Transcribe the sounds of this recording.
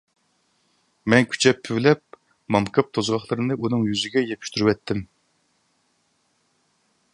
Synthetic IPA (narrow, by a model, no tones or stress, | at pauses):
mɛnkʲʰy̥t͡ʃʰɛpʰːywlɛp̚ | mɑmkʰɑp̚t̪ʰozʁɑχlˠɨɾɨnɨʔunɨŋjyzɪɡʲɛjepʰy̥ʃt̪yɾywɛt̪ʰːɪm